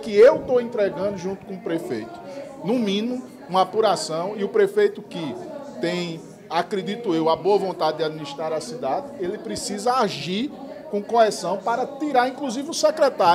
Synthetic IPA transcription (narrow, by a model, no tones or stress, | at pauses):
kɪewt̪oẽnt̪ɾɛɡɐ̃nd̪ʊʒũt̪ʊ̥kõʊpɾefejt̪ʊ̥nũmĩnʊ | ũmɐapuɾasɐ̃w̃iʊpɾefejt̪ʊkɪt̪ẽj̃ | akɾed̪it̪uewɐboɐvõnt̪ad̪ɪd̪ɪad̪̚miniʃt̪ɾaɾɐsid̪ad̪ɪelɪpɾesizɐaʒiɾ | kõkoɦɛsɐ̃w̃paɾɐt̪iɾaɾĩkluzivɪusɛkɾɛt̪a